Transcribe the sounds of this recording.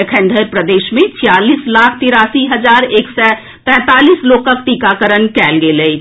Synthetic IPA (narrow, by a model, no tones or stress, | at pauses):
ekʰə̃ɳɖʱəɾpɾəd̪esmet͡ʃʰijalislakʰt̪iɾasiɦəd͡ʒaɾeksɛ | p̪ɛ̃t̪alislokək̚t̪ikakəɾənkɛlɡelət͡ʃʰ